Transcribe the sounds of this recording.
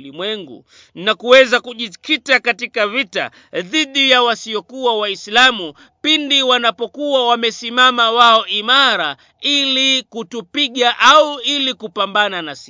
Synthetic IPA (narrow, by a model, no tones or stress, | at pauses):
limwɛŋɡṵ | nakuwɛzakuʄikitakatikavita̰ | ðiɗijawasiɔkuwawaislamu | pindiwanapɔkuwawamɛsimamawaɔʔimaɾa | ilikutupiɠaʔauilikupambananasi